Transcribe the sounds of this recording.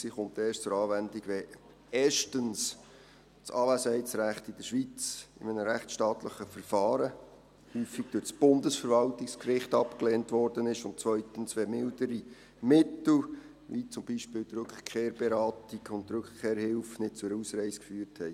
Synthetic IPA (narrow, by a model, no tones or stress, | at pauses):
siːχʊmteːst͡sʊɾɑːvændiɡʋɛ | eːʃtəns | t͡sɑːvæsɛɪt͡sɾæχtɪd̥əʃʋit͡sɪ̰mənəɾæχt͡ssʃtɑːtləχəfəɾfɑːɾə | hyːfiɡ̥̚d̥øtsb̥ʊndəsfəɾvɑltɪkskrɪχtɑpkleːntvɔrd̥ənɪʃʊntt͡sʋœʏt̪ənsʋɛmɪldəɾi | mɪtl̩ | ʋit͡sʊmbiʃpɪːldɾɵkχkʰːeːɾb̥eɾɑːtiɡʊntɾɵkχkʰeːɾhɪlfnɪd̥̚t͡sʊɾuːsɾɛɪsə̥kfyːɾthɛɪ